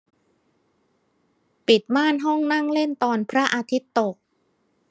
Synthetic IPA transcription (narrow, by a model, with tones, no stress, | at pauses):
pi˨˩t̪̚maː˥˩nɦɔ˥˩ŋna˥˩ŋle˥˩nt̪ɔː˧npʰɾa˦˥ʔaː˧t̪ʰi˦˥t̪ːo˨˩k̚